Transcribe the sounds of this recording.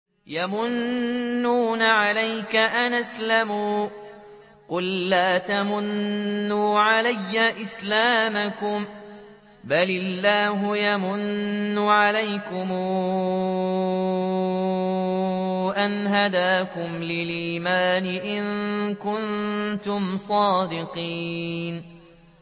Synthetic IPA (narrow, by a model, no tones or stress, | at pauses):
jamʊnː | uːnaʕalajkaʔanʔaslamuː | qʊlːaːt̪amʊnːuːʕalajːaʔɪslaːmakʊm | balɪlːaːɦʊjamʊnːʊʕalajkʊmuː | ʔanɦad̪aːkʊmlɪlʔiːmaːnɪʔɪŋkʊnt̪ʊmsˤɑːd̪ɪqiːn